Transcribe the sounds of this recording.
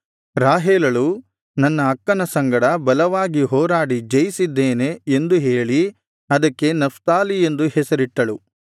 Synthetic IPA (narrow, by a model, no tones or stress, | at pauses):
ɾaːɦeːlɐɭu | nɐnːɐːkːɐnɐsɐŋɡɐɽɐbɐlɐʋaːɡiɦɔːɾaːɽid͡ʒɐjisid̪ːeːne̞ːnd̪uɦe̞ːɭi | ɐd̪ɐkːe̞nɐft̪aːlie̞nd̪uhɛsɐɾiʈːɐɭu